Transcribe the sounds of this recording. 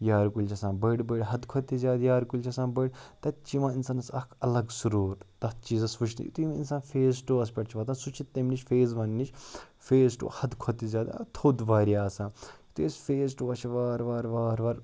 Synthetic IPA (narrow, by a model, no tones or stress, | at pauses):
jaːɾkulʲt͡ʃʰɐsãːnbɐɽbəɖɦɐd̪kʰɔt̪izʲjaːd̪jaːɾkulʲt͡ʃʰɐsãːnbəjɖt̪ɐt̪t͡ʃiʋãːinsaːnɐsɐkʰɐlɐɡsuɾuːɾt̪ɐt̪̚t͡ʃiːzɐsʋut͡ʃʰnḭt̪uiminsaːnfʰeːs̬ʈoːɐspʲɐʈt͡ʃʰiʋɐt̪ãːnsut͡ʃʰit̪ːemnit͡ʃfeːzʋɐnnit͡ʃʰ | feːsʈo̰ːhɐd̪kʰɔt̪ːizʲjaːd̪a̰t̪ʰoːd̪ʋaːɾjaːsãː | t̪uesfeːs̬ʈoːɐt͡ʃʰʋaːɾʋaːɾʋaːɾʋaɾ